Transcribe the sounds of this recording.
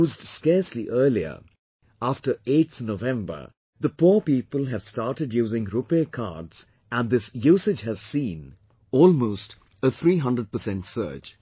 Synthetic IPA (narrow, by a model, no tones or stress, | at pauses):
uːzdskɛɹsliʔɜ˞liə̰ | æfʈə˞et̪θnovɛ̃mbə̰˞ | ðəpuɹpiːpəlˠɦæv̥staɹʈɨdjuːzɪ̃ŋɾupekʰa̰dz̥ | æ̃nd̪ɪsjuːsɨd͡ʒɦɨz̥sĩːn | ɔːlmoːst | ət̪ʰɹiːɦʌ̃ndɾəɖ̚pəsɛ̃ntsɜ̰ːd͡ʒ